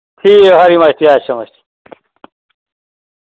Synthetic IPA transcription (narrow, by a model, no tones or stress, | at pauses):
kʰiːɦɐɾimɐɕt̪iaːɕʰɐmɐɕt̪i̥